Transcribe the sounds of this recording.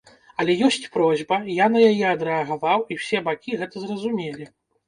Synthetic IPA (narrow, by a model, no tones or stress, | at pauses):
ɐlʲɛjɔsʲt͡sʲpɾɔzʲbɐjanɐjajɛɐd̪ɾɛɐɣavawiwsʲɛbakʲiɣɛt̪ɐzrɐzumʲelʲi